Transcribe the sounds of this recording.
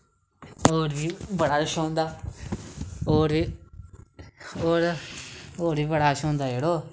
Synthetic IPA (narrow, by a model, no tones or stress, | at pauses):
oːɾʋiːbəɽaːəʃõːnd̪aː | oːɾiː | oːɾ | oːɾʋiːbəɽaːʃõːnd̪aːd͡ʒeːɽoː